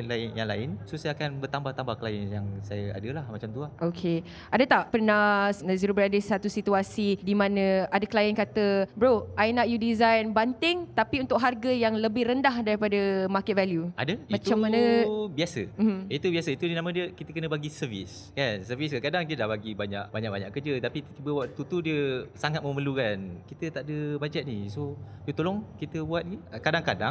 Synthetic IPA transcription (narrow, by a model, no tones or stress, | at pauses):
laɪnjaŋla̰ɪnsosajaakanbərt̪ambaht̪ambahkəlajənjaŋsajaa̰dəlahmat͡ʃamt̪uaʔokʰe | ʔadət̪aʔpərnahsnaziɾubəɾadəsat̪usit̪uasidimãnə̃adakəlajankat̪əbɾoʔajnaʔjudizajnbant̪ɪŋt̪apiunt̪ʊk̚ɦarɡəjaŋləbɪhrəndahdaɾipadəmakɛt̪̚valjuʔa̰dəmãt͡ʃammãnəbiasəmit̪ubiasəit̪udinamə̃diəkit̪əkənə̃baɡisəvḭs | kansəviskakadaŋdiədahbaɡibaɲa̰ʔbaɲaʔ̚ba̰ɲaʔkəd͡ʒət̪apit̪t̪ibəwaʔt̪ut̪udiəsaŋat̪̚məməlukankit̪ət̪aʔdəbad͡ʒɛt̪̚nisoət̪olɔŋkit̪əbuat̪̚diəkadaŋkadaŋ